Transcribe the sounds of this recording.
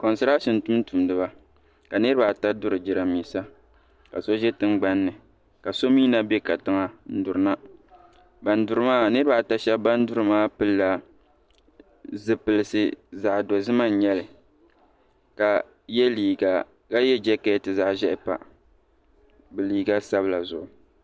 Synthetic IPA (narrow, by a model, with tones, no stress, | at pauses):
ko˨n˨sɨ˦ɾa˦ʃɪ˨n˨tu˦m˦tu˨mdɨ˨ba˦ | ka˨nɨ˦ɾɨ˦ba˨ta˦dʊ˦ɾɨ˨d͡ʒɪ˨ɾa˨miː˨sa˦ | ka̰˨so˦ʒɛ˦tɨ˦ŋɡ͡ba˦nːɨ˨ | ka˨so˦miː˦na˦bɛ˦ka˨tɨ˨ŋa˦n̩˦dʊ˨ɾɨ˦na˦ | ba˨ndʊ˨ɾɨ˦maː˦˨nɨ˦ɾɨ˦ba˨ta˦ʃɛ˦bba˦n˦dʊ˦ɾɨ˨maː˦pɨ˦lːa˦ | zɨ˨pɨ˨lɨ˨sɨ˦za˨ʔdo˨zɨ˦ma˦n˨ɲɛ˦lɨ˨ | ka˨ | jɛ˦liː˨ɡa˨ | ka˦jɛ˦d͡ʒɛ˦ka˦jɛ˦tɨ˨za˨ʔʒɛ˦ʔɪ˦pa̰˨ | bɨ˨liː˨ɡa˦sa˦βɨ˦la˨zʊ˨ʔʊ˨